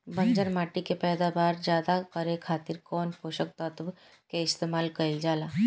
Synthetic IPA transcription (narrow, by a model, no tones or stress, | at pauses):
bɐ̃ɲd͡ʒəɾmaːʈikepɛːd̪abaːɾd͡ʒjaːd̪akɐɾekʰaːt̪ɪɾkɔːnpʰoːʃək̚t̪ɔt̪b | keɪst̪eːmaːlkɐɪld͡ʒaːlaː